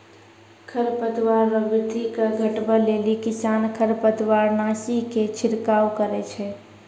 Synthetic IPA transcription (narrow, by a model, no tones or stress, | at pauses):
kʰəɾpət̪waɾːəbɪd̪ʱikəɡʱəʈbəlelikisankʰəɾpət̪waɾnasiket͡ʃʰiɾkawkəɾɛt͡ʃʰɛ